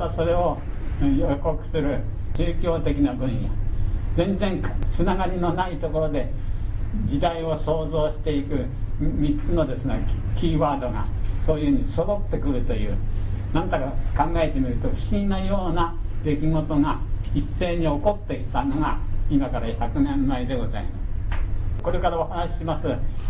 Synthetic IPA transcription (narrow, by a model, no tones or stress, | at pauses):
aso̞ɾe̞o | joko̞kɯ̟̥sɨɾɯ̟ | t͡ɕɨːkʲo̞ːt̪e̞kʲinabɯ̟̃ɰ̃jazẽ̞nd͡zẽŋksɨnaɡaɾʲino̞nait̪o̞ko̞ɾo̞d̪e̞ | d͡ʑid̪aio̞so̞ːzo̞ːɕi̥t̪e̞ikɯ̟ | mʲitt͡sɨno̞d̪e̞sɨnekʲiːβaːd̪o̞ɡa̰so̞ːjɯ̟hɯ̟ɲ̟isod̪o̞t̪ːe̞kɯ̟ɾɯ̟t̪o̞jɯ̟̰ːnãnt̪akakãŋɡae̞t̪e̞mʲiɾɯ̟t̪o̞ɸɯ̟̥ɕiɡʲinajo̞ːnad̪e̞kʲiɡo̞t̪o̞ŋaisːe̞ːɲ̟io̞ko̞t̪ːe̞kʲi̥t̪ano̞ŋaimakaɾaçakɯ̟nẽ̞mːaed̪e̞ɡo̞zaimas | ko̞ɾe̞kaɾao̞hanaɕi̥ɕimasɨ